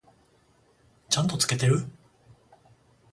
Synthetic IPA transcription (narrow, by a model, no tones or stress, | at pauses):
t͡ɕãnt̪o̞t͡sɨ̥ke̞t̪e̞ɾɯ